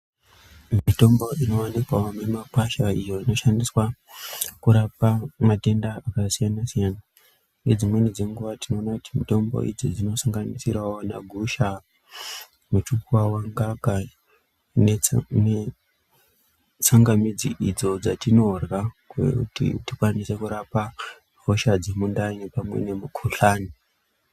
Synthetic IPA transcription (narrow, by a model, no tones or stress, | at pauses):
mito̞mbo̞inowanikwaomemapaʃaijo̞ino̞ʃandiswa | kuɾapamate̞ndaakasijanasijaːna | ned͡zimwenid͡ze̞ŋɡuʋatino̞ːnakuti̥mito̞mbo̰ʔḭd͡zid͡zino̞saŋɡanisiraona̰ɡʱuʃa | mut͡ʃukuwawaŋɡaɡa | nene | t͡saŋɡamid͡ziʔid͡zo̞d͡zatino̞rɣakwḛtḭtikwanise̞kuɾapa | vo̞ʃad͡ze̞mundainepamwe̞̰ne̞mukʰuɬaːni